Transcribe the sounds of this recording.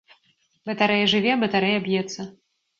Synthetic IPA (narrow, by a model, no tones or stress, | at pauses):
bɐt̪aɾɛjɛʐɨvʲɛbɐt̪aɾɛjabjɛt̪sːɐ